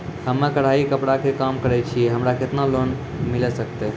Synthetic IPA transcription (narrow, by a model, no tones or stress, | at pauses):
həmːakəɽ̤aikəpɽakekamkəɾɛt͡ʃʰieɦəmɾaket̪nalon | milesəkt̪ɛ